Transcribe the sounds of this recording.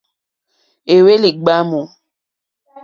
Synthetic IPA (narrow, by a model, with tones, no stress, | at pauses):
e˨we˦li˨ɡ͡ba˦mo˨